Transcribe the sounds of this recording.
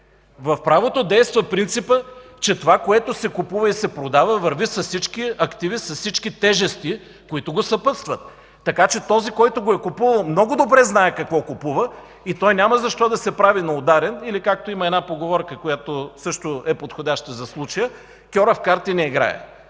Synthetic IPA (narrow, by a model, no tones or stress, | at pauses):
vɐfpɾavot̪od̪ɛjst̪vəpɾint̪sipə | t͡ʃɛt̪ovakoɛt̪osɛkʊpuvəisɛpɾod̪avəvɐɾvisɐssit͡ʃkiɐkt̪ivisɐssit͡ʃkit̪ɛʒɛst̪i | koit̪ʊɡosɐpɤt̪st̪vət̪ː | ɐkat͡ʃɛt̪ɔzikɔjt̪oɡoɛkopuvɐlˠmnɔɡʊd̪obɾɛznaɛkɐkvɔkopuvə | it̪ɔjnʲaməzɐʃt̪ɔd̪ɐsɛpɾavinɐod̪aɾɛnilikak̚t̪oimɐɛdnapoɡovɔɾkəkojat̪osɤʃt̪oɛpot̪xodʲaʃt̪əzɐslˠut͡ʃɐjə | kʲɔɾɐfkaɾt̪inɛiɡɾa̰ɛ̰